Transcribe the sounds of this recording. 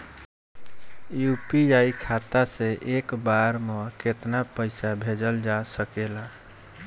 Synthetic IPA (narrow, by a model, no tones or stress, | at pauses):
jupiaikʰat̪asẽʔekbaɾmeket̪napəɪsabʱed͡ʒəld͡ʒasəkela